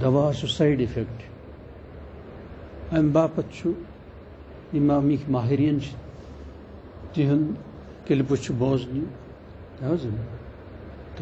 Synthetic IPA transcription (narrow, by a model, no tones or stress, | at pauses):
d̪ɐʋaːsusaiɖifekʈ | ɐmbaːpɐt̪t͡ʃʰu | imamikʰmaːɦiɾijɐnt͡ʃʰi̥ | t̪iɦun | keliput͡ʃʰuboːzniu | t̪ɐɐzɐm | t̪